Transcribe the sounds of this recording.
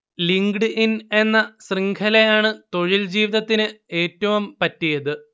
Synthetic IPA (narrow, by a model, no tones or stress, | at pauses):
liŋɡɖɨʔine̞nːɐsriŋɡʰʱɐlejaːɳɨt̪o̞ɻild͡ʑiːʋiðɐt̪ːinɨe̞ːtːɐʋumpɐtːijɐðɨ